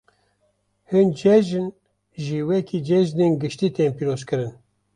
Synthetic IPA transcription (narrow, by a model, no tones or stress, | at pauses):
hɨnd͡ʒɛʒɨn | ʒiwɛkid͡ʒɛʒneːnɡɨʃt̪iːt̪eːnpiːɾoːzkɨɾɨn